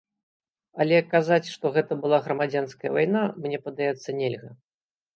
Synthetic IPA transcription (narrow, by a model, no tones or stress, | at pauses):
ɐlʲɛkːazat͡sʲʂt̪ɔɣɛt̪ɐbɨlˠaɣɾɐmad͡zʲanskɐjɐ̰vajnamnʲɛpɐd̪ajɛt̪sːɐnʲɛlʲɣɐ